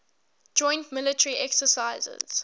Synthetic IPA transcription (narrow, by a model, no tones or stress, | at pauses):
d͡ʒɔ̃ɪ̃ntmɪlɪtəɹiʔɛksəsaɪzə̰z̥